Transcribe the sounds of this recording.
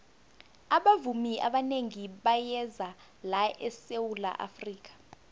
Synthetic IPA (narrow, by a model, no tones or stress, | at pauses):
aɓavumiʔa̰ɓaneŋiɓajɛza | laʔɛsewula̰ʔa̰friːk̬ḁ